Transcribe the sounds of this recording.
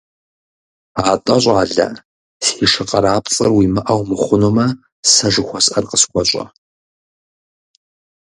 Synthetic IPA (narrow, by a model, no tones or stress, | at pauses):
aːtʼɐɕʼaːɮɐ̰ | siːʂɨqʼɐɾaːpʼt͡sʼɨɐrwiːmɨʔɐwmɨχʷʊnoːmɐ | sɐʒɨxʷɔsʔɐrqəsxʷɔɕʼɐ̰